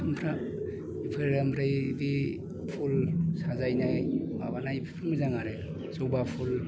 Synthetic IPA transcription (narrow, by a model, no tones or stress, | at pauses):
ampʰɾa | ipʰɯɾamɾɯjbi | pʰulsazajnajbaβanajipʰpʰɯŋmizaŋaɾe | sɔwbapʰul